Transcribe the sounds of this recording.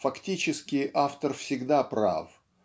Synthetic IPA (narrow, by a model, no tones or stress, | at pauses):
fɐktʲit͡ɕɪskʲɪʔaft̪ərfsʲɪɡd̪apɾa̰f